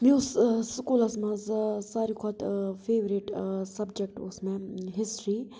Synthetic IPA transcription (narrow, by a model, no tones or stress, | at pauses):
mĩʊsskuːlɐsmãzsaːɾikʰɔt̪feːʋɾiʈsɐbd͡ʒek̚ʈʊ̰smẽɦɪsʈɾi